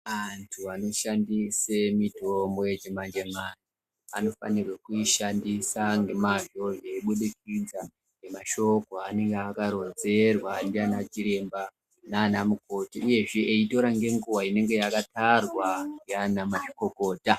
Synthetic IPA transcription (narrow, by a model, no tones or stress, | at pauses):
antʰuano̞ʃandisemito̞mbo̞jed͡ʒemand͡ʒemani | ano̞fa̰nirwekuiʃandisaŋɡe̞maʒo̞eiɓuɗikid͡za | nemaʃo̞ko̞ane̞ŋɡeakaɾo̞nze̞rwandianat͡ʃiɾe̞mba | naːnamuko̞tiuje̞ʐeeito̞ɾaŋɡe̞ŋɡuwaine̞ŋɡe̞jakatarwandianamat͡ʃi̥ko̞ko̞ːta